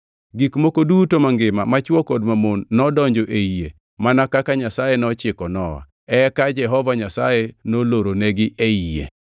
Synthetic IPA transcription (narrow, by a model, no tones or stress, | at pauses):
ɡikmokodutomaŋɡɪmamat͡ʃwɔkɔdmamonːɔdɔɲd͡ʒɔʔeie | manakakaɲasajenɔt͡ʃɪkɔnɔwa̰ | ɛkad͡ʒɛɦɔvaɲasajenoloɾoneɡɪʔeijḛ